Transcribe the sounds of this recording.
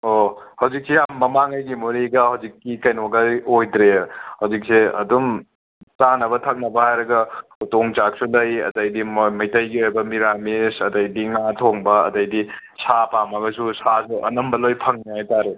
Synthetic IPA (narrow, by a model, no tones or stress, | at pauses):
ohɐwzik̚sejamːɐmaŋɐjɡimuɾiɡɐhɐwzikːikɐjnoɡaojdɾehɐwzik̚seɐ̰dum | tanɐbɐtʰak̚nɐbɐhajɾɐɡɐutoŋt͡ʃak̚sulɐjɐ̰dɐjdimɐjtɐjɡiojbɐmiɾamisɐdɐjdiŋatʰoŋbɐɐ̰dɐjdi | sapamɐɡɐsusasuʔɐ̰nɐmbɐlojpʰɐŋniajtaɾe